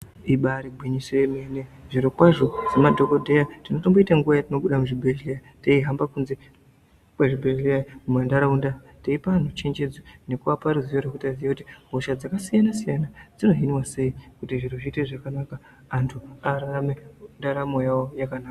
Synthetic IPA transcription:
iɓaɾiɡʱwiɲisemeneʐiɾokwaʐo̞zemadʱo̞ko̞dʱe̞jatino̞to̞mboitaŋɡuʋajatino̞ɓuɗamuʐibʱeɮija | taiɦambakunze | pwaʐibʱeɮijamumeandaɾaunda | taipan̤ut͡ʃe̞nd͡ʒe̞d͡zone̞kuapaɾuzijoɾokutazijakuti̥mbʱoʃad͡zakasijanasijanad͡zino̞ɦinwase̞ikutiʐir̤uʐiːteʐakanakaː | ntʰuaɾaamendaɾamojawojakanaːka

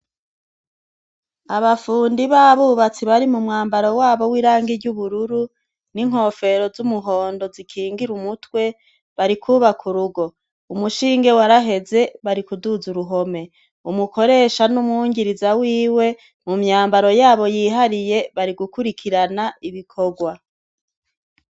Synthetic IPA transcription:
aβafuːndiβaβuβat͡siβaɾimumŋaːmbaɾo̞waːβo̞wiːɾaːŋɡiɾɟuβuɾuɾu | niŋ̥ho̞ːfe̞ɾo̞zumuɦo̞ːndo̞zikʰiːŋɡiɾumutwe̞ | βaɾikʰuβakʰuɾuɡo̞ | umuʃiːŋɡe̞waɾaɦe̞ze̞βaɾikuduzuɾuɦo̞me̞ | umuko̞ɾe̞ːʃanumuŋɟiɾizawiːwe̞ | mumɲaːmbaɾo̞jaːβo̞jiːɦaɾije̞βaɾiɡukuɾikʰiɾanaiβikʰo̞ɡwa

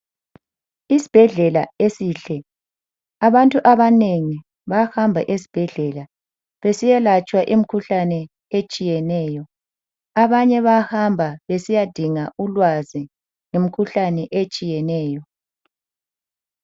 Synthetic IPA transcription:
isi̥b̥ʱɛɮɛlaesiːɬɛ | aβantʼuʔaβaneŋi | βahambʱaʔesi̥b̥ʱɛɮɛla | βesijɛlat͡ʃʼwaʔim̩kʰuɬanɛ | et͡ʃʼijɛnɛːjɔ | aβaɲɛβahambʱaβesijad̥ʱiŋaulwazi | ŋemikʰuɬanɛʔet͡ʃʼijɛnɛːjɔ

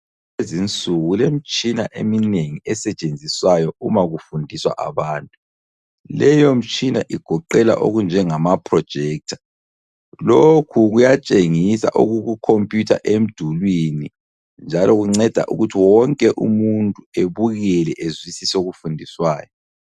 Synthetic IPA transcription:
ezint͡sʼuɣulem̩t͡ʃʼina̰ʔemineŋiɛsɛt͡ʃʼend͡zʱiswajɔumaɣufundʱiswa̰ʔa̰βaːntʼu | lɛjom̩t͡ʃʼina̰ʔiɡ̥ʱɔǃɛla̰ʔo̰ɣund͡ʒʱɛŋamapʰrɔd̥ʒ̥ʱɛk̚tʰḁ | lokʰuɣujat͡ʃʼeŋisa̰ʔuɣuɣukʰompʼjutʰa̰ʔem̩d̥ʱulwini | nd͡ʒʱalɔɣuŋ͡ǀɛd̥ʱa̰ʔṵɣutʰiwɔŋkʼɛʔṵmuntʼueβuɣɛlɛʔezwisisoɣufundʱiswaːjɔ

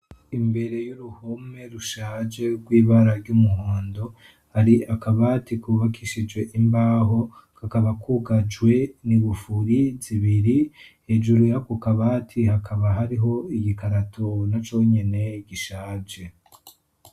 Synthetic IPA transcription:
imbe̞ɾe̞juɾuhome̞ɾuʃaːd͡ʒe̞ɡwiːβaɾaɾɟumuhoːndo̞ | haɾiakaβaːtikuβakʰiʃid͡ʒɡwe̞ʔimbaːɦo̞ | kakaβakuɡad͡ʒwe̞niβufuɾiziβiɾihe̞ːʒuɾujakukaβatʰihakʰaβaɦaɾiɦo̞iɟikaɾatʰonat͡ʃo̞ɲe̞ne̞ɟiʃaːd͡ʒe

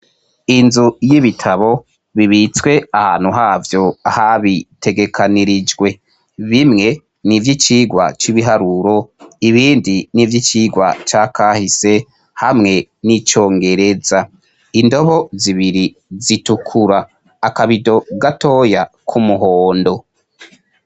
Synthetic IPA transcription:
inzujiβitʰaβo̞ | βiβit͡swe̞aha̰ːn̥huɦavjo̞ahaβite̞ɡe̞kʰaniɾid͡ʒɡwe̞ | βimŋe̞ | nivjit͡ʃiːɡwa̰t͡ʃiβiɦaɾuɾo̞iβiːndinivjit͡ʃiːɡwa̰t͡ʃaːkʰaːhise̞ | hamŋe̞nit͡ʃo̞ːŋɡe̞ɾe̞za | indo̞βo̞ziβiɾi | zitukʰuɾaː | kaβido̞ɡato̞ːja | kʰumuɦo̞ːndo̞

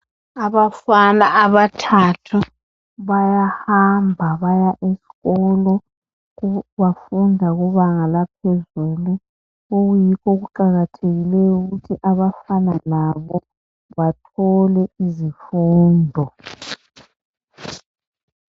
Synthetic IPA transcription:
aβafanaʔːβatʰatʰu | βajahambʱaβajaʔesi̥ɣɔlɔ | βafundʱaɣuβaŋalapʰɛzuːlu | oɣujikʰɔɣuǃaɣatʰeɣilɛjuɣutʰiʔaβafanalaβɔ | βatʰɔlɛizifuːndʱɔ

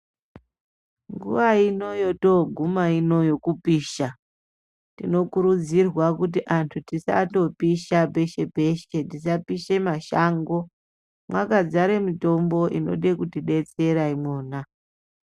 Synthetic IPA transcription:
ŋɡṵʋaino̞joto̞ɡʱumaino̞jo̞kupiːʃa | tino̞kuɾud͡zirwakut̬iʔantʰutisa̰to̞piʃabe̞ʃebʱe̞ʃe̞tisapiʃe̞maʃaːŋɡo̞ | mwakad͡zaɾe̞mito̞mbo̞ʔino̞̰ɗe̞kutiɗe̞t͡se̞ɾaimo̞ːna

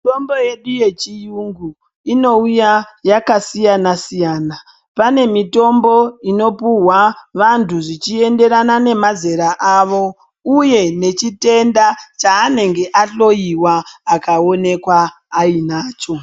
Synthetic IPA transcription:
tombo̞je̞ɗuje̞t͡ʃijuŋɡu | ino̞ujajakasijanasijaːna | pane̞mito̞mbo̞ino̞puwaʋantʰuʐit͡ʃie̞nde̞ɾanane̞maze̞ɾaʔaʋo̞ | uje̞ne̞t͡ʃite̞ndat͡ʃaːne̞ŋɡe̞ʔaɬo̞jiwaːkao̞ne̞kwaː | inaːt͡ʃo̞

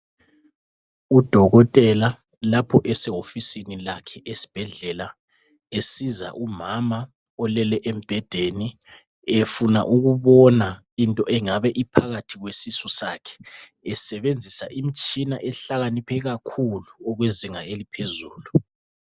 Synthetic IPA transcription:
ud̥ʱɔɣɔtʼɛla | lapʰɔʔɛsɛofisinilakʰɛʔesi̥b̥ʱɛɮɛla | esiza̰ʔumama | ɔlɛlɛʔem̩b̥ʱɛd̥ʱeni | efuna̰ʔuɣuβɔna | intʼɔʔɛŋaβɛʔipʰaɣatʰiɣwesisusakʰɛ̥ | ɛsɛβend͡zʱisaʔimit͡ʃʼinaʔɛɬaɣanipʰɛɣakʰuluɔɣweziŋaelipʰezuːlu

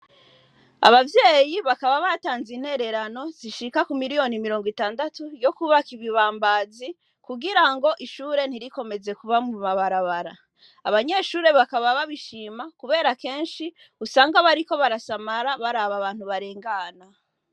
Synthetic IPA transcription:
a̰βavje̞ːjiβakaβaβataːnzin̥he̞ɾe̞ɾano̞ziʃikakumiɾijo̞nimiɾo̞ːŋɡwitaːndatujo̞kuβakiβiβaːmbazi | kuɡiɾaŋɡo̞ʔiʃuːɾe̞n̥hiɾiko̞me̞ze̞kuβamumaβaɾaβaɾa | aβaɲe̞ʃuːɾe̞βakaβaβaβiʃiːmakuβe̞ːɾake̞ːnʃi | usaːŋɡaβaɾiko̞βaɾasamaɾaβaɾaβaβaːn̥huβaɾeːŋɡana

